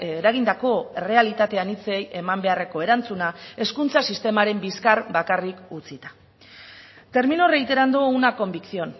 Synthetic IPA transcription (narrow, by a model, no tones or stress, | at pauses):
ɾaɣind̪ako̞e̞re̞alit̪at̪e̞anit͡se̞jʔe̞mambe̞are̞ko̞e̞ɾant͡sunae̞skunt͡sasist̪e̞maɾe̞mbiskaɾbakarikut͡sit̪ḁ | t̪e̞ɾminore̞ɣit̪eɾand̪ounako̞mbiksio̞n